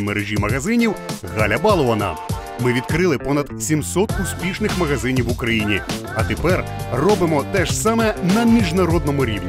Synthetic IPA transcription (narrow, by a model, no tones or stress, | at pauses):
meɾeʒʲimɐɣɐzɪnʲiwɣɑlʲɐbɑlˠɔɐnɐ̰ | mɪʋʲid̪̚kɾɪlˠɪpɔnɐd̪sʲimsɔt̪ʊspʲiʃnɪxmɐɣɐzɪnʲiwʊkɾɐjinʲi | ɐt̪epɛr | rɔbɪmɔt̪ɛʒsɑmɛnɐmʲiʒnɐɾɔd̪̚nɔmʊɾʲiwnʲi